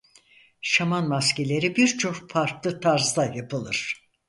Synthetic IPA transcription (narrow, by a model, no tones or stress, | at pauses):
ʃamanmascelʲe̞ɾibiɾt͡ʃʰo̞kpʰaɾklˠɯt̪ʰaɾzd̪ajapʰɯlˠɯɾ̥